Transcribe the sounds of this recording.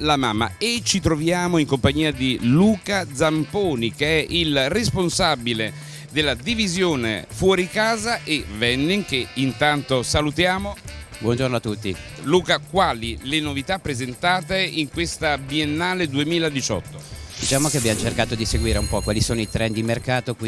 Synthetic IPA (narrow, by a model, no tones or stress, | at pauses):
lamamːa̰et͡ʃit̪ɾovjaːmoiŋkompaɲːiːad̪iluːkad̪zampoːnikeɛʔilresponsabile | d̪elːad̪ivizjoːnḛfwɔːɾikaːzaʔevɛnːiŋkeint̪ant̪osalut̪jaːmobwɔnd͡ʒornoat̪ːut̪ːiluːkakwaːlilenovit̪apːɾezent̪aːt̪eiŋkwest̪abienːaːled̪uemiːlad̪it͡ʃɔ̰t̪ːod̪it͡ʃaːmokeabjamot͡ʃerkaːt̪od̪iseɡwiːɾeumpɔkːwaːlisoːnoit̪ɾʔɛnd̪imerkaːt̪oki